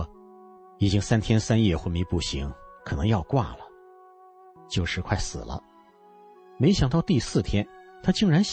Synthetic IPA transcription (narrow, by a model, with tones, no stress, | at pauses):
i˨˩t͡ɕi˥ŋsa˥nt̪ʰjɛ˥nsa˥njɛ˥˩xwə˧˥mi˧˥pu˥˩ɕi˧˥ŋkʰɤ˨˩nɤ˧˥ŋjɑ˥˧ʊkwa̰˥˩lə˩ | t͡ɕjo˥˩ʊʂɻ̩˧˥kʰwa˥˩ɪsɹ̩̰˨˩lə̰˦ | me˧˥ɪɕjɑ˨˩ŋt̪ɑ˥˧ʊt̪i˥˧sɹ̩˥˩t̪ʰjɛ˥nt̪ʰa˥t͡ɕi˥˩ŋɻa˧˥nɕ